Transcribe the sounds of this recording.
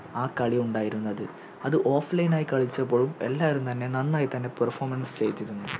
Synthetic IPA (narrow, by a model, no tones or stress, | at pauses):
aːkɐɭiuɳɖaːjiɾunːɐðɨ | ɐðɨʔo̞ːflejnaːjikɐɭit͡ɕːɐpːo̞ːɭume̞̰lːaːʋɐɾumt̪ɐnːe̞nɐnːaːjit̪ɐnːe̞pɐrfoːrmɐnst͡ɕe̞jit̪ːiɾunːu